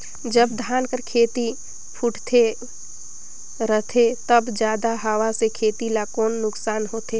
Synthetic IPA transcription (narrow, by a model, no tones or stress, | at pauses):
d͡ʒəbd̪ʱaːnkəɾkʰeːt̪i | pʰʊʈʰt̪ʰe | ɾət̪ʰet̪ɐbd͡ʒjaːd̪aɦaʋasekʰeːt̪ilakoːnːʊksaːnɦoːt̪eː